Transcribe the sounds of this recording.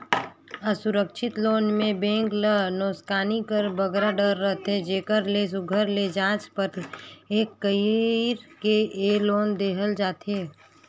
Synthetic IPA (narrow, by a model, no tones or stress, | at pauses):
əsʊɾəkʃʰɪt̪loːnmẽbẽːŋklənoːskaːnikəɾbəɡɾaɖəɾːəɦt̪ed͡ʒeːkəɾlesʊɡʱəɾled͡ʒãːt͡ʃpəɾeːkːəɾkeʔeloːnd̪eːɦəld͡ʒaːt̪e